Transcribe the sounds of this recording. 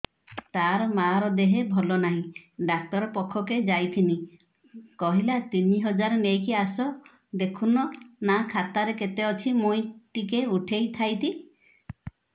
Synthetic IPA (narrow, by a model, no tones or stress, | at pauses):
t̪aɾɔmaɾɔd̪eɦebʱɔlɔnaɦĩɖak̚t̪ɔɾɔpɔkʰːɔked͡ʒajt̪ʰini | kɔɦilat̪iniɦɔd͡ʒaɾɔnejkiasɔ | d̪ekʰunɔnakʰat̪aɾeket̪eɔt͡ʃʰimujʈikeuʈʰejt̪ʰajt̪ʰi